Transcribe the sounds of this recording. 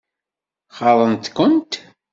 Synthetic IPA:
χɑðˤənt̪kʊnt̪

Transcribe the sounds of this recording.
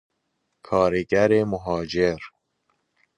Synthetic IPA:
kʰɒːɾeɡæɾemoɦɒːd͡ʒeɾ

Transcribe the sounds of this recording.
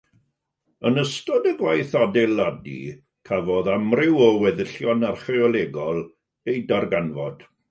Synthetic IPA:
ənəstɔdəɡwajθadɛlˠadḭ | kʰavɔðamrɪwɔwɛðəɬjɔnarχɪɔlˠɛɡɔlˠ | ejdarɡanvɔd̥

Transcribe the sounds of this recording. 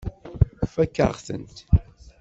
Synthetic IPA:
fækːəʁθə̰nt̪

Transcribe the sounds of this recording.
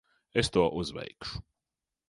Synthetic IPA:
est̪uɔʔuzʋɛ̰jkʃu̥

